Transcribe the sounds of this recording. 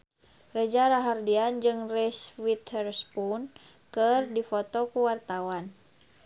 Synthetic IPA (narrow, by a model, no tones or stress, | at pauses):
rɛd͡ʒaɾaɦardiand͡ʒɨŋrɛswit̪ɛrspun | kɨrdifɔt̪ɔkuwart̪awan